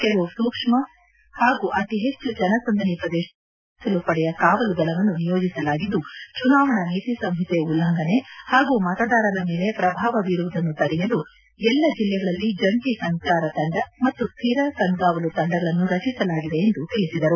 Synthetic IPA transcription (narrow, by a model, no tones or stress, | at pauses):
kelusuːkʂmɐ | haːɡuʔɐt̪iɦe̞t͡ʃːud͡ʒɐnɐsɐnd̪ʱɐnipɾɐd̪eː | sɐlupɐɽɛjɐkaːʋɐluɡ̪ɐɭɐʋɐnːunijoːd͡ʒisɐlaːɡid̪ːut͡ʃunaːʋɐɳɐniːt̪isɐmɦit̪eulːɐŋɡɐne̞haːɡuːmɐt̪ɐd̪aːɾɐd̪ɐme̞ːle̞pɾɐbʱaːʋɐʋiɾuʋd̪ɐnːut̪ɐɾijɐlu | ɛlːɐd͡ʒilːɛɡɐɭɐlːid͡ʒɐɳʈisɐŋkaːɾɐt̪ɐɳɖɐmɐt̪ːust̪ʰiːɾɐkɐŋɡaːʋɐlut̪ɐɳɖɐɡɐɭɐnːuɾɐt͡ʃisɐlaːɡid̪e̞ːnd̪ut̪iɭisid̪ɐɾu